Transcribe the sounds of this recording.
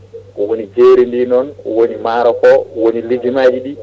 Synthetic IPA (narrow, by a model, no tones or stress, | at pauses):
ʔɔwonid͡ʒeɾindinɔnɔ̰wonimaːɾɔkɔwonilid͡ʒimaːd͡ʒiɗi